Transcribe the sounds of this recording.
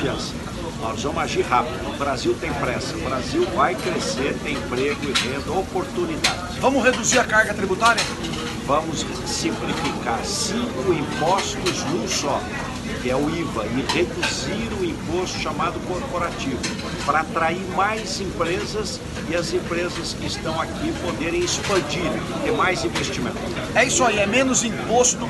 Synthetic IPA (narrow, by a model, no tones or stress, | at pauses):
ɐ̃sɐ | nɔzvɐ̃maʒiɾɦapid̪ʊbɾaziwt̪ẽj̃pɾɛsɐbɾaziwvajkɾeseɾt̪ẽj̃pɾeɡʊɪʁẽnd̪ɐopoɾt̪unid̪a̰d͡ʒɪsvɐ̃mʊsʁed̪uziɾɐkaɾɡɐt̪ɾibut̪aɾjɐ | vɐ̃mʊs | sĩplifikaɾsĩkʊĩpɔst̪ʊznũsɔ | kɪɛʊivɐɪʁed̪uziɾʊ̃ĩpost̪ʊ̥ʃamad̪ʊkoɾpoɾat͡ʃivʊ | pɾɐat̪ɾaiɾmajzẽpɾezɐs | ɪɐzẽmpɾezɐskɪɪst̪ɐ̃w̃akipod̪eɾẽj̃ɪspɐ̃d͡ʒiɾ | t̪eɾmajzĩvest͡ʃimḛ̃nt̪ʊɛisʊaiɛmẽnʊzĩpost̪ʊd̪ʊ